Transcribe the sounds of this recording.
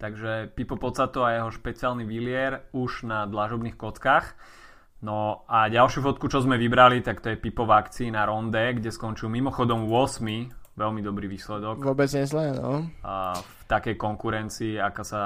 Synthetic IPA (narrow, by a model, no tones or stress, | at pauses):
t̪aɡʒɛpipɔpɔt͡sat̪ɔajɛɦɔʃpɛt͡sialniʋilɪɛɾuʒnad̪laʒɔbnixkɔt͡skaːx | nɔaɟalʃjufɔt̪̚kut͡ʃɔzmɛʋibɾalit̪akt̪ɔjɛpipɔvakt͡siːnaɾɔnd̪ɛɡɟɛskɔnt͡ʃiumimɔxɔd̪ɔmʊɔsmiʋɛlmid̪ɔbɾiʋiːslɛd̪ɔkʋɔbɛd͡zɲɛzlɛːnɔ̰ | ft̪akɛjkɔŋkuɾɛnt͡siːakasa